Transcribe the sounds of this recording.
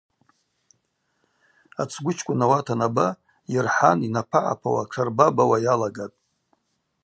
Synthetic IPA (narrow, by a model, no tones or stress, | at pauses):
a̰t͡sʰɡʷʊt͡ʃʰkʷʼʊnawatʰanaba | jɪrħaninapʰaʕa̰pʰawa̰ʈ͡ʂʰarbabawajalaɡatʼ